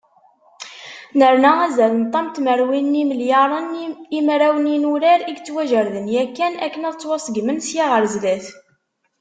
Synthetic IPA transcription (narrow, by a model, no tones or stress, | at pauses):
nəɾˤnææzælənt̪ˤːɑmt̪məɾwinːimljɑɾˤənimɾæwəninuɾæɾiɡt͡sːwæʒəɾðənjækːænækːənæðt͡sːwɑsˤəɡmənsjaʁəɾzlæθ